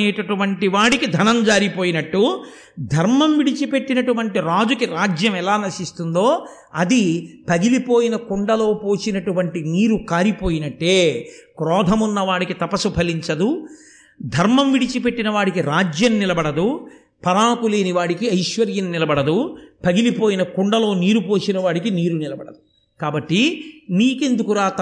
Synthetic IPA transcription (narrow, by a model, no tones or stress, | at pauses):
ɛːʈɐʈuʋɐɳʈiʋaːɽikid̪ʱɐnɐmd͡ʒaːɾipoːjinɐʈːu | d̪ʱɐɾmɐmʋiɽit͡ʃipe̞ʈːinɐʈuʋɐɳʈiɾaːd͡ʒukiɾaːd͡ʒjɐmɛlaːnɐʃist̪und̪o̞ː | ɐd̪ipɐɡilipo̞ːjinɐkuɳɖɐlo̞ːpoːt͡ʃinɐʈuʋɐɳʈimiːɾukaːɾipoːjinɐʈːeːkɾɔːd̪ʱɐmunːɐʋaːɽikit̪ɐpɐsupʰɐliɲt͡ʃɐd̪u | d̪ʱɐɾmɐmʋiɽit͡ʃipe̞ʈːinɐʋaːɽikiɾaːd͡ʒjɐmnilɐbɐɽɐd̪u | pɐɾaːkuleːniʋaːɽikiɐjʃʋɐɾjɐnnilɐbɐɽɐd̪upɐɡilipoːjinɐkuɳɖɐlo̞ːniːɾupoːt͡ʃinɐʋaːɽikiniːɾunilɐbɐɽɐd̪u | kaːbɐʈːiniːke̞nd̪ukuɾaːt̪